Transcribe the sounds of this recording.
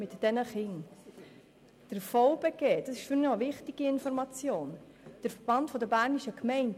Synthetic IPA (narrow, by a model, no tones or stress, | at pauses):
mɪtd̥ɛnəχɪŋ | d̥əɾfɔʊbɛɡ̥eːd̥ɑsɪ̥ʃfyɾnɔvɪχtiɡ̥iɪnfɔɾmɑt͡sjoːn | d̥əɾfəɾb̥ɑntfɔdəbæɾniʃəkmɛɪnt